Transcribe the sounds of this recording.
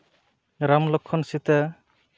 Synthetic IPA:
ɾamlɔkʰːɔnsit̪ə

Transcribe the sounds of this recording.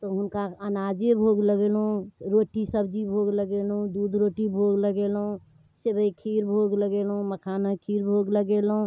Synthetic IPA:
t̪oɦʊnkaənaːd͡ʒebʱoːɡləɡeːlɦũɾoːʈisəbd͡ʒibʱoːɡləɡelɦũd̪uːd̪ɾoːʈibʱoːɡləɡeːlɦũ | sebəikʰiːɾbʱoːɡləɡeːlɦũməkʰaːnakʰiːɾbʱoːɡləɡelɦũ

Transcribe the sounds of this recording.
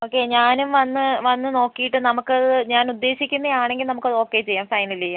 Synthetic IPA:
oːkːeɲaːnumʋɐnːɨʋɐnːɨno̞ːkːijiʈːɨnɐmukːɨɐðɨɲaːnud̪ːe̞ːɕikʲːunːɐjaːɳe̞ŋɡilnɐmukːɐðɨo̞ːkːe̞ːt͡ɕe̞jːaːmfɐjnɐilt͡ɕejːaː

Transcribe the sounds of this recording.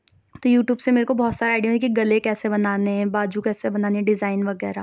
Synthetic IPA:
t̪ojuːʈjuːbsemeːɾekobɔɦːt̪saːɾeaɪɖjə̃mkiɡɐlekɛːsebɐnaːnebaːd͡ʒukɛːsebɐnaːneɖɪzaːɪnʋɐɡɛːɾa̰

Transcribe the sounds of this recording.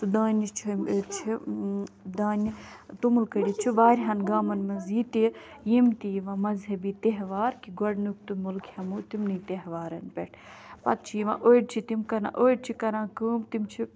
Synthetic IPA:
sud̪aːnit͡ʃʰt͡ʃʰi | d̪aːni | t̪umulkɐɽʲit͡ʃʰiʋaːɾʲɦɐnɡaːmɐnmɐziːt̪i | jimt̪iːʋãːmɐzɦɐbiːt̪eɦʋaːɾkiɡɐɖnuk̚t̪umulkʰhɐmut̪imnɨːt̪eɦʋaːɾɐnpʲeʈʰ | pɐ̰t̪̚t͡ʃʰiʋã̰ʔoːiɖ̚t͡ʃʰit̪imkɐɾã̰ʔoːiɖ̚t͡ʃʰikɐɾãːkuːmt̪imt͡ʃʰi

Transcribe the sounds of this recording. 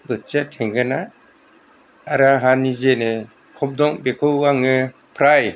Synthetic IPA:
bɯtt͡ʃatʰeŋɡɯna | aɾaɦanizenɯ | kʰɔp̚dɔŋbekʰɯwaŋɯ | pʰɾaj

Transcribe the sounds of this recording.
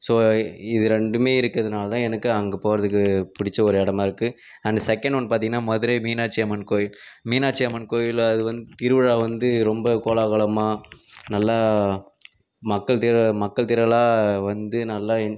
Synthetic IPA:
soːɪðɯɾɛɳɖɯmeːɪɾɯkːɾɐðɐnaːlɐt̪ãːɛnɐkːɯɐŋɡɐpoːɾɐðɯkːɯpʊɽɪt͡ʃːɐɔɾɯɛɽɐmaːɪɾɯkːɯ | ɐnd̪ɐsɛkːɐɳɖɔnːɐpaːɾt̪iŋɡɐnːaːmɔðɯɾeːmiːnaːt͡ʃːiɐmɐnkoːjɪlmiːnaːt͡ʃiɐmɐnkoːjɪlɐðɯʋɐnd̪ɯt̪ɪɾɯʋɐɻaːʋɐnd̪ɯɾɔmbɐkoːlaːɣɐɭɐmaːnɐlːaː | mɐkːɐɭt̪ɪɾɐmɐkːɐɭt̪ɪɾɐlaːʋɐnd̪ɯnɐlːaː

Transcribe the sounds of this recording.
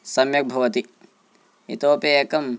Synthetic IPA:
sɐmjɐk̚bʱɐʋɐt̪i | ḭt̪oːpeeːkɐm

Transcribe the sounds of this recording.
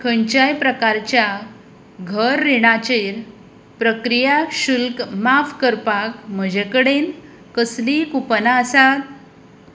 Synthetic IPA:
kʰəɲt͡ɕajpɾəkaɾt͡ɕja | ɡʱəɾːeɽ̃at͡ɕeɾ | pɾəkɾijaɕulkmafkəɾpakm̤əd͡ʑekəɽen | kəslikupənaəsat̪̚

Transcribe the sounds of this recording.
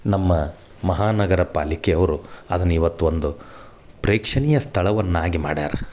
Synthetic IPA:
nɐmːɐ | mɐɦaːnɐɡɐɾɐpa̰ːlikɛɐʋɐɾuɐd̪ɐnːiʋɐt̪ːuond̪u | pɾeːkʂɐnijɐst̪ʰɐɭɐʋɐnːaːɡima̰ːɽa̰ːɾɐ

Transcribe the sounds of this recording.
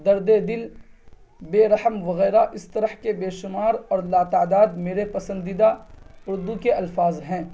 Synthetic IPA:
d̪ɐɾd̪ed̪ɪl | beːɾɐhəmʋɐɣɛːɾaʔɪst̪ɐɾəhkebeːʃʊmaːɾɔːɾlaːt̪aːd̪aːd̪meːɾepɐsə̃nd̪id̪aʊɾd̪ukeɐlfaːzɦɛ̃ː

